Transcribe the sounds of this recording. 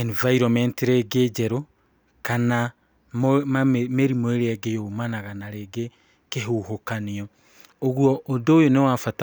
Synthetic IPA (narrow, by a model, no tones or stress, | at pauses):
ɛnvaiɾɔmɛntiɾeɡed͡ʒɛɾo | kana | momameɾimoeɾeɛɡejomanaɣanaɾeɡe | keɦuhokaniɔ | oɣwɔʔodoːjonewafata